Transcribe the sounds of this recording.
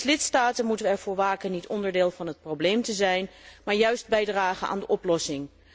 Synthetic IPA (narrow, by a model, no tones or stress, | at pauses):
slɪtstaːtənmutəʋəɛɹvʊːɹʋaːkənitɔndəɹdɪːlˠvɑnɦət̚prowblejmtəzɛjnmaːɹjœɥsd̚bɛjdraːχənʔa̰ːndəʔɔplɔsɪŋ